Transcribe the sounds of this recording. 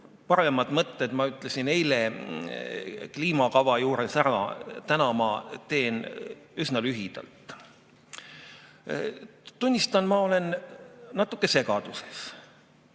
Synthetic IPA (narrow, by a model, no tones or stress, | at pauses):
pɑɾe̞mɑd̪̥mɤt̪ːed̪̥mɑyt̪ːˑle̞sine̞jle | kliːmɑkɑvɑjuːɾesæɾɑ̰t̪ænɑmɑt̪e̞ːnysnɑlyɦid̪̥ɑ̰lt̪ˑ | t̪unʲːist̪ɑnmɑo̞le̞nnɑt̪ːˑukːˑe̞se̞ɡɑd̪̥use̞s